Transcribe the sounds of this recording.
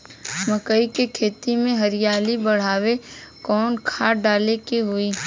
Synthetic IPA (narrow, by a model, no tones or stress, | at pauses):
məkəikekʰeːt̪imẽɦɐɾɪjaːlibɐɽ̤aːwekɔːnkʰaːɖaːlekeɦʊiː